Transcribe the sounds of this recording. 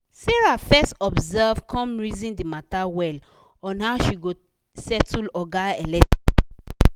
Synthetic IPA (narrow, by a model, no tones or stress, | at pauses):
sɛɹafɛstɔbzɛvkʰɔ̃mɹizĩndimatawɛl | ɔ̃nhaʊʃiɡo | sɛtulɔɡaɛlɛt